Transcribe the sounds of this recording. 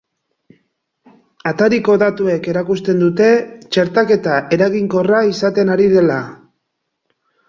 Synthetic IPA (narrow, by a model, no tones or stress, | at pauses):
at̪aɾiko̞ðat̪ue̞ke̞ɾakust̪e̞nd̪ut̪e̞t͡ʃe̞ɾt̪ake̞t̪aʔe̞ɾaɣiŋko̞raisat̪e̞naɾiðe̞la